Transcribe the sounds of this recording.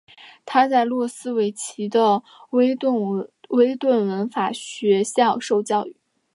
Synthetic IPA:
t̪ʰa˥t͡sa˥˧ɪlwɔ˥˩sɹ̩˥we˧˥ɪt͡ɕʰi˧˥d̪ə˧ | we˥ɪ˥˩we˥ɪt̪wə˥˩nwə˧˥nfa˨˩ɕɥɛ˧˥ɕjɑ˥˧ʊʂo˥˧ʊt͡ɕjɑ˥˧ʊy˨˩˦

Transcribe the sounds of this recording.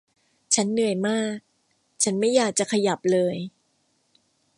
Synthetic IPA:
t͡ɕʰa˦˥nːɯ˨˩əjmaː˥˩k̚ | t͡ɕʰa˦˥nma˥˩jaː˨˩k̚t͡ɕa˨˩kʰa˧ja˨˩p̚lɤː˧j

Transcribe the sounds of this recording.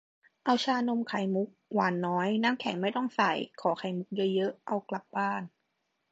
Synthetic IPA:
ʔa˧wt͡ɕʰaː˧no˧mkʰa˨˩˦jmu˦˥k̚waː˨˦nːɔː˦˥jnaː˥mkʰɛ˨˩˦ŋma˥˩jt̪ɔ˥˩ŋsa˨˩˦jkʰɔː˩˦kʰa˨˩˦jmu˦˥k̚jɤ˦˥jɤ˦˥ʔʔa˧wkla˨˩p̚baː˥˩n

